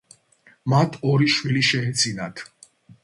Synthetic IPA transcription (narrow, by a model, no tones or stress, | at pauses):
mat̪ʰɔɾiʃwiliʃɛɛd̪zinat̪ʰ